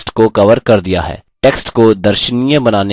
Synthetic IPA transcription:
ʈkokɐʋəɾkɐɾd̪ija̰ɦɛ̰ːʈeːksʈkod̪ɐɾʃənijə̃bɐnaːne

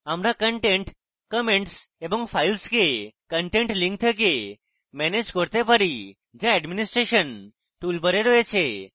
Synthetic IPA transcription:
əmɾakəɳʈẽɳʈ | kəmeɳʈsebɔŋfʰajlskekəɳʈẽɳʈlĩŋk̚t̪ʰək̬e | mɛned͡ʒkəɾt̪epəɾi | d͡ʒeɛɖminisʈɾeʃən | t̪ulbəɾeɾəɦet͡ʃʰe

